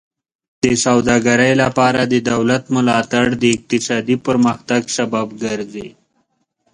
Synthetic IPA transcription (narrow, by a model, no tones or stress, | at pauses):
d̪̥əsawd̪ɑɡaɾajlapɑɾad̪əd̪awlat̪mʊlɑt̪aɽd̪əɪq̚t̪ɪsɑd̪ipəɾməxt̪aɡsababɡəɾzḛ